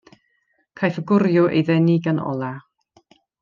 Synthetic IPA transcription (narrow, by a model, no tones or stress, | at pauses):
kʰajθəɡʊrjʊʔḛjðɛniɡanɔ̰lˠa